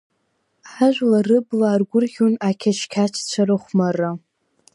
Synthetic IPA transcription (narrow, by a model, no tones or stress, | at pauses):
ħaʒʷᶣlarɨblaːrɡʷʊrχʲunakʲʰat͡ʃʰkʲʰat͡ʃʰt͡ɕʷʰaɾɨχʷmara